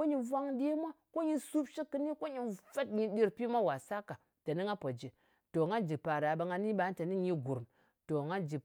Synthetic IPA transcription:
ko˦ɲi˨vʷa˦ŋde˦mʷa˦ko˦ɲi˦su˦pʃi˦kːɨ˦ni˦ko˦ɲi˨nfa˦tɲi˨di˦ɾpi˦mʷa˦wa˨sa˦ka˨ | ta˨ni˦ŋɡa˦po˨d͡ʒi˨ | to˨ŋɡa˦d͡ʒi˨pa˨ɾa˨ɓa˧ŋɡa˦ni˦ɓa˨˦n˦ta˨ni˦ɲi˦ɡu˨ɾm | to˨ŋa˦d͡ʒi˨

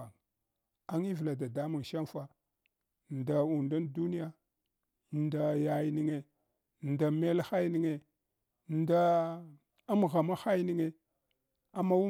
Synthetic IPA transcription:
a˨ | a˦ŋi˦vla˨da˨da˦mu˨ŋʃa˦nfa˨ | n˨da˨u˨nda˦ndu˦ni˦ja˨ | nda˨ja˨jni˦ŋe˨ | nda˨me˦lxa˦jni˦ŋe˨ | nda˦ | a˦m˨ɣa˨ma˦xa˦jni˦ŋe˨ | a˨ma˦wu˦

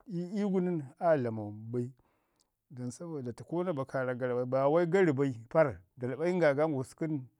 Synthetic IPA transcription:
i˦i˦ɡu˦ni˦na˦˨la˨ma˨ba˦i˦ | da˨nsa˦bo˨da˨ti˨ko˦na˦ba˨ka˨ɾa˨ɡa˨ɾba˨i˨ba˨wa˦i˦ɡa˦ɾi˨ba˦i˦pa˦ɾda˨lɓa˦i˦ŋɡa˨ɡa˦ŋɡo˨ski˦n

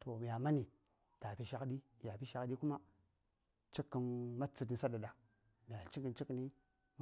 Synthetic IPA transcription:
to˨mi˨ja˨ma˦ni˨ | ta˨pi˨ʃa˦kdi˦˨ja˨pi˦ʃa˨kɗi˦ku˦ma˦ | t͡ʃi˦kːə˨˦nma˦t͡sːə˨t̬i˨n˦sa˦da˨da˨ | mi˨ja˨t͡ʃi˦ŋɡə˨nt͡ʃi˦kni˦ | m

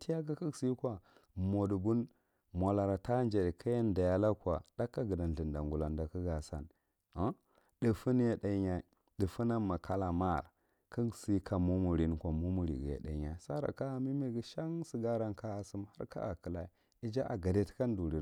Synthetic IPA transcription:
ti˦ja˦k̬a˦kə˦ɡsi˦kʷa˨ | mo˨du˨bu˦n | mʷa˨la˨ɾa˨ta˦nd͡ʒe˨ɾi˨kʰa˦ja˦nda˨ja˦la˦kwa̰˨d̥a˦kːa˦ɡə˨da˨n˨ɮə˨nda˨ŋɡu˨la˨nda˨kə˦ɡa˨sa̰˨n | a˦ | də˨fu˦n˦ja˦da˨˦ɲa˦˨ | də˨fu˦na˦ma˨kʰa˦la˨ma˦˨ɾ | kə˦ɡsi˦kʰa˨mu˦mu˨ɾi˦n˨kʷa˨mu˦mu˨ɾḭ˨ɡja̰˨da̰˨ɲa˨sa˦ɾa̰˨ka˦˨mi˦mi˨ɡi˦ʃa˦ŋsə˨ɡa˦ɾa˦nka˦a˨su˦mha̰˦ɾka̰˦a˨kə˨la˨i˨ | i˦d͡ʒa˦ʔa̰˨ɡa˨de˦tka˦n˦du˨ɾi˨

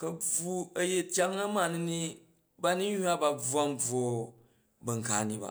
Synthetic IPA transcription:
kɐ˨b͡vu˦ɐ˦je˦tʲja˦ŋna˦ma˨ni˦ni˦ | ba˦ni˦ɲu˦a˦ba˨b͡vu˨˦a˦mb͡vo˨ | bɐ˨ŋka̰˨ni˦ba̰˨

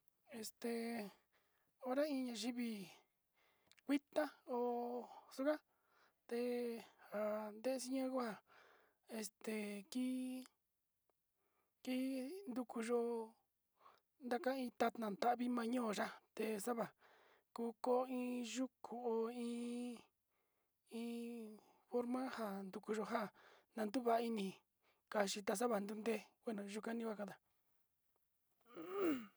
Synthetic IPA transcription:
e˧st̪e˨ | o˧ɾa˦ĩ˧ɲã˧ʒi˦βi˧ | kʷi˦t̪a˦o˧su˦ka˦ | t̪e˧ha˨nd̪e˦ʔe˧si˧ɲã˦ku˦a˧˨ | e˧st̪e˨ki˦ | ki˦nd̪u˧ku˧ʒo˧ | nd̪a˦kã˦ĩ˧t̪a˧t̪nã˨t̪a˦ʔβi˦mã˧ɲõː˦˨ʒa˦t̪e˧˨sa˦βa˨ | ku˦˧˦ko˦ĩ˧ʒu˦kʰu˨o˧ĩː˦ | ĩ˧˦ | fo˦ɾmã˦ha˧˨nd̪u˧ku˧ʒo˧ɦa˦˨nã˧nd̪u˦βa˧˦˧i˧nĩ˧ | ka˧˨ʃi˧t̪a˧s̬a˦βa˨nd̪u˦nd̪e˦wʷe˦nõ˧ʒu˧kã˦˧nĩ˦kʷa˦˧kã˧˦d̪a˨

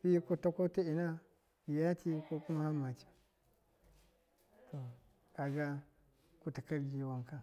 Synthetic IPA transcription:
bi˦ku˦ta˦ko˦ta˦i˨na˦ | bi˨ja˦tʰi˦ko˦ku˦ma˦ha˦ma˨t͡ʃi̥˨ | to˨ | ka˨ɡa˦ | ku˦ta˨ka˦lɡi˨wa˨ŋka˦

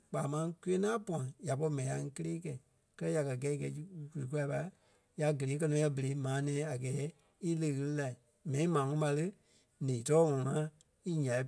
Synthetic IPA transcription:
k͡paː˨mã˧˦ku˦e˦nãː˦pɔ̃˨ã˨ja˨pɔ˧i˧mɛ̃˨ĩ˨a˧ŋ̩˧˦kə˦leː˦kɛ˨ | kɜ˦lɜ˦ja˨kɜ˨ɡɛ˧˦i˧kɛ˧˦˧ku˨lɨ˨ku˧la˧˦pa˧ | ja˨ɡə˨leː˨˦k̬ɜ˧nɔ̃˧˦ɛ˧bə˨le˨˦mãː˨˦nɛ̃ː˨˦a˨ɡɛː˨˦ | i˦lə˧˨˧ɣɨ˧lɨ˦˧la˨ | mɛ̃˨nĩ˦mãː˨ŋɔ̃˦ɓa˧lɨ˦ | nĩː˨tɔː˦ŋɔ̃˨ŋã˦ | i˦ɲã˨i˨˦

